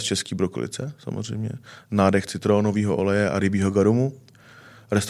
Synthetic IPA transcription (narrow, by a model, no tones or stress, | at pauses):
st͡ʃɛsciːbɾoko̰lɪ̰t͡sɛsa̰mo̰r̝ɛ̰jmɲɛ̰naːdɛxt͡sɪt̪ɾoːnoviːɦoʔolɛjɛʔa̰ɾɪbiːɦoɡaɾumu | ɾɛst̪